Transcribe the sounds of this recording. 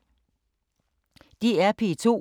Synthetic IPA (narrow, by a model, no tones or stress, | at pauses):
d̥iæɐpʰit͡sʰo̝̰